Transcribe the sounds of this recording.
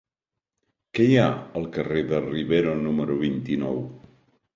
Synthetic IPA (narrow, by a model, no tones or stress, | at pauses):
kɛjaəlˠkəreðəriβeɾunuməɾuβint̪inɔw